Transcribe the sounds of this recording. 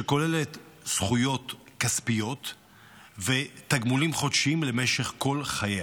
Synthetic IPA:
eko̞lelet̪ | sχujo̞t̪kaspijot̪ | vet̪aɡmulimχo̞d̪ʃimle̞meʃe̞χko̞lχaje

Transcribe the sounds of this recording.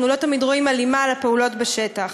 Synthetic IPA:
nulo̞tamidʁo̞imalimalape̞ulo̞tbeʃetaχ

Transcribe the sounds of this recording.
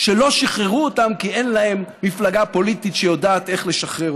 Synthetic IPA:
ʃelo̞ʃiχʁeʁuotamkie̞nlahe̞mːiflaɡapo̞lit̪it̪ʃejo̞daːt̪eχle̞ʃaχʁeʁ

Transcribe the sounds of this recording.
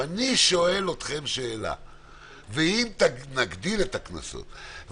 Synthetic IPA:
aniʃo̞e̞lo̞t̪χe̞mʃe̞ːla̰ | veimt̪anaɡd̪ile̞t̪akna̰so̰t̪

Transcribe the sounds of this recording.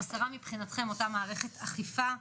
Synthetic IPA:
asaʁamipχinat̪χe̞mo̞tamaːʁeχe̞t̪aχifa

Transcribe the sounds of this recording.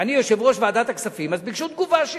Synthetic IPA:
anijo̞ʃe̞vʁo̞ʃveaːd̪at̪aksafimazbikʃut̪̚ɡuvaʃ

